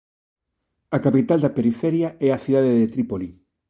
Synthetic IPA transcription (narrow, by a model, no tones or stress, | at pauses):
ɐkapit̪ald̪ɐpeɾifɛɾjaɛɐθiðaðeðet̪ɾipoli